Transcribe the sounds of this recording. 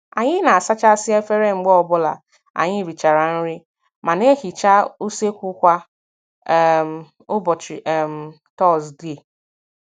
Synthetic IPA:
a̰˨ɲɪ˦na˨a˨sa˦t͡ʃa˦sɪ˦e˦fe˦ɾe˦ŋ͡m̩˦ɡ͡bɔ˦ɔ˨bɔ˦la̰˨ | a̰˨ɲɪ˦˨ɾi˨t͡ʃa˨ɾa˨n̩˦ɾɪ˦ | ma˨ne˦ɦi˨t͡ʃa˦u˦se˦kʷu˦kʷa˦ | m̩˨ | ʊ˦bɔ˨t͡ʃi˨ɛ˨m̩˨ | tɔ˦sdi˦˨

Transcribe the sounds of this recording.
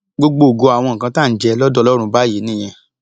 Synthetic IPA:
ɡ͡bo˧ɡ͡bo˧˨ɡo˧a˨w̃ɔ̃˧ŋ̩˨kã˧˦ta˦˨n̩˨d͡ʒɛ˧lɔ˦dɔ˦˧lɔ˦ɾ̃ũ˧ba˦je˨˦nĩ˦j̃ɛ̃˧

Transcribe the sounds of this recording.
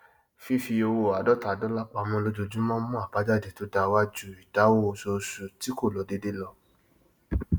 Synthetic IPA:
fi˦fi˧o˧wo˧˨a˨dɔ˦ta˨dɔ˨˦la˦k͡pa˧˨mɔ̃˧lo˧˦d͡ʒo˧d͡ʒũ˦mɔ̃˦mɔ̃˦a˨ba˨˦d͡ʒa˦˨de˨to˨˦da˧wa˦d͡ʒu˦˨i˨da˨˦wo˦˨˧so˧su˨ti˨˦ko˦˨lɔ˨˦de˨˦de˦lɔ˧

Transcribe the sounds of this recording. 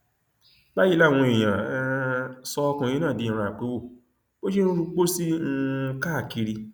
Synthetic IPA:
ba˦ji˦la˦˨w̃ɔ̃˧e˨j̃ã˨˧˦sɔ˧kũ˧ĩ˦nãː˦˨di˨˧ĩ˨ɾ̃ã˧˨k͡pe˨˦wo˦˨ | bo˦ʃe˦u˦ɾu˧k͡po˦si˦˧ka˦a˦˨ki˧ɾi˧

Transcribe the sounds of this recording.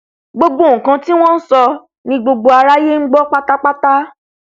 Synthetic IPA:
ɡ͡bo˧ɡ͡bo˦˨kã˧ti˦w̃ɔ̃˦n̩˦sɔ˧ | nĩ˧ɡ͡bo˧ɡ͡bo˧a˧ɾa˦je˦ŋ̩˦ɡ͡bɔ˦k͡pa˦ta˦k͡pa˦ta˦

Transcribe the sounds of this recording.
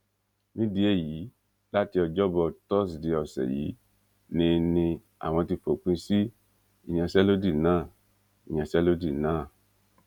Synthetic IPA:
mĩ˦di˦e˦˨ji˨˦ | la˦ti˧ɔ˧d͡ʒɔ˦bɔ˧˨tɔ˦s̬di˧ɔ˨sɛ̰˨jḭ˨˦ | nĩ˧nĩ˧ | a̰˨w̃ɔ̃˧ti˧fo˨k͡pĩ˧si˦ | i˨ɲã˨sɛ˦lo˦di˦˨nãː˦˨ | i˨ɲã˨sɛ˦lo˦di˦˨nãː˦˨

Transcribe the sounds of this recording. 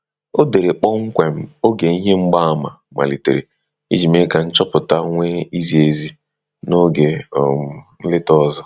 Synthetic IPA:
o˦de˨ɾe˨k͡pɔ˦ŋ̩˦kʷe˨m̩˦o˦ɡe˨i˦ɦe˦ŋ͡m̩˦ɡ͡ba˦a˦˨ma̰˨ | ma̰˨li˨tḛ˨ɾe˨ | ḭ˦d͡ʒi˨me˦ka˨n̩˦t͡ʃɔ˦pʊ˨ta˦ŋʷe˦i˦zi˨e˨zi˦ | no˦ɡe˨ | n̩˦lɪ˦tɔ˦zɔ˦

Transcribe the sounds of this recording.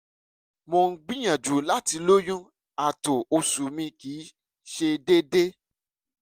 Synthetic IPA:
mõ˧n̩˦ɡ͡bĩ˦j̃ã˨d͡ʒu˨la˦ti˧lo˦jũ˦ | a˦˨to˨o˧su˨mĩ˧kiː˨˦ | ʃe˧de˦de˦

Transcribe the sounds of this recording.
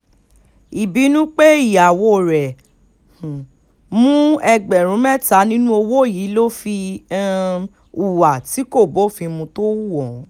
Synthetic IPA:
i˨bi˨˦nũ˦k͡pe˦i˦˨ja˨wo˧˨ɾɛ̃˨ | mũ˦ɛ˧ɡ͡bɛ˨ɾ̃ũ˨˦mɛ̃˦ta˨˦nĩ˦nũ˦o˧wo˦˨ji˨˦lo˦fi˧˦ | u˨wa˨ti˨˦ko˦˨bo˨˦fi˧mũ˧to˦wu˦wɔ˨˦

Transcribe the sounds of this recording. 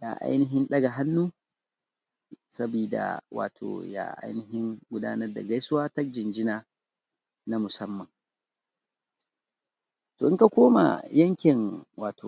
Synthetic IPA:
ja̰˨ʔa̰˦jnɪ˦ɦɪ˦nɗɐ˦ɡa˨ɦa˦nːuː˦ | sɐ˦biː˨da̰˨wa̰ː˨tʰo̰ː˨ja̰ː˦ʔa̰˦jnɪ˨ɦɪ˦ŋɡʷʊ˦daː˦nɐ˦rda̰˨ɡa˦jsʊ˦waː˦tɐ˦k̚d͡ʒɪ˨nd͡ʒɪ˦na˨ | na˦mʊ˨sɐ˦mːɐ˨ŋ | toː˨ʔɪ˦ŋka˨kʷoː˦ma̰˨jɐ˦ŋkʲɪ˨ŋwaː˨tʰoː˨

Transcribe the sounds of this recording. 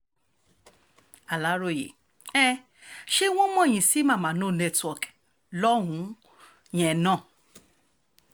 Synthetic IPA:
a˨la˨˦ɾo˦˨jḛ˨ | ɛ˦ | ʃe˦w̃ɔ̃˦mɔ̃˦˨j̃ĩ˨si˦mã˦˨mã˨˦˨nõ˦˨nɛ˦˧twɔ˨k | lɔ˦ɦũ˨˦ | j̃ɛ̃˨˧nã˦˨

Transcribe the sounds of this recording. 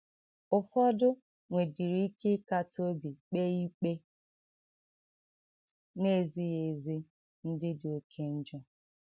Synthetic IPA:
ʊ˨fɔ˦dʊ˦ | ŋʷe˨di˨ɾi˦ke˦ka˨to˦bi˨k͡pe˦i˦k͡pe˦ | ne˦˨zi˦ɣe˨zi˦ | n̩˦dɪ˦do˨kʰe˦n̩˦d͡ʒɔ˦

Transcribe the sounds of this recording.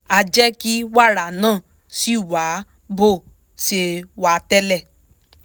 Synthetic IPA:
a˧d͡ʒɛ˦ki˦wa˦˨ɾa˨nãː˦˨ | si˦˨wa˨˦ | bo˦˨ | ʃe˧wa˨˦tɛ˦lɛ˦˨

